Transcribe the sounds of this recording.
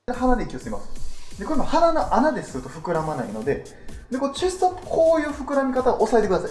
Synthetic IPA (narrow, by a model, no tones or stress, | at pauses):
aɦanad̪eikʲiosima̰sɨ̥d̪ekoɾemahananoʔanad̪e̞sɨɾɯ̟t̪o̞ɸɯ̟kɯ̟ɾamanaino̞d̪e̞ | d̪ekonot͡ɕist̪opːɯ̥kʰo̞ːjɯ̟ːɸɯ̟kɯ̟ɾamʲikat̪aoʔosaet̪ekɯ̟d̪asaji